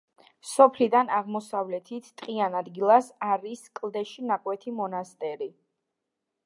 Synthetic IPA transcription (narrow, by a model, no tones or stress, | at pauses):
sɔpʰlid̪anaʁmɔsavlɛt̪ʰit̪ʰt̪ʼqʼianad̪ɡilˠasaɾiskʼlˠd̪ɛʃinakʼwɛt̪ʰimɔnast̪ʼɛɾi